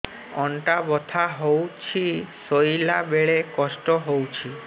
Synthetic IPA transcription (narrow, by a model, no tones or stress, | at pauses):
ɔɳʈabɔt̪ʰaɦowt͡ʃʰisojlabeɭekɔsʈɔɦowt͡ʃʰi